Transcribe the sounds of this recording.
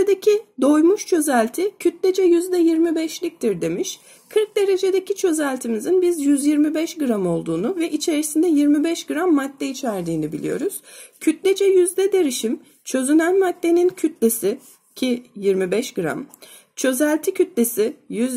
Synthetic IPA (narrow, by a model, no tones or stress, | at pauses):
ed̪ecʰid̪o̞jmuʃt͡ʃʰø̞zælʲt̪ʰicʰyt̪lʲed͡ʒɛjyzd̪ɛjiɾmibɛʃlʲic̚t̪ʰiɾd̪e̞miʃ | kʰɯɾk̚d̪e̞ɾe̞d͡ʒe̞d̪e̞cit͡ʃʰø̞zælʲt̪ʰimizinbizjyzjiɾmibɛʃɡɯɾamo̞lˠd̪uːnuvɛʔit͡ʃʰe̞ɾisind̪ɛjiɾmibɛʃɡɯɾamːat̪ːɛit͡ʃʰæɾd̪iːnibḭlʲḭjo̞̰ɾuz̥cʰyt̪lʲed͡ʒɛjyzd̪ɛd̪e̞ɾiʃim | t͡ʃʰø̞zynænmat̪ːe̞nincʰyt̪lʲesɪ | cʰijiɾmibɛʃɡ̥ɯɾa̰m | t͡ʃʰø̞zælʲt̪ʰicʰyt̪lʲe̞sɪjyz